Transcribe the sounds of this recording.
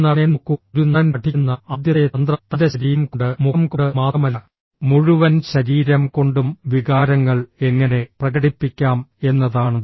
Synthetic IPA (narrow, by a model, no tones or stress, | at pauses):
nːɐnenukːuɾunːɐɐnɐʈʰːinːɐɐd̪jɐeɐnd̪rɐt̪ːɐðɐɕɐɾijɐmkoɳɖɨmumkɽɨmaːɐmɐlːɐ | muɻuʋɐnɕɐɾiːɾɐmko̞ɳɖumʋiɣaːɾɐŋːɐɭeŋːɐne̞prɐɣɐɽipːikʲːaːme̞nːɐðaːɳɐ